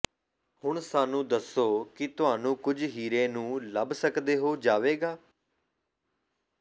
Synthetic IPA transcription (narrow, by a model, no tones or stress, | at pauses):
hʊɳsaːnũːd̪əsːoːkɪt̪ʊɦaːnũːkʊd͡ʒʱɦiːɾẽːnũːləbsəkd̪eːɦoːd͡ʒaːʋeːɡaː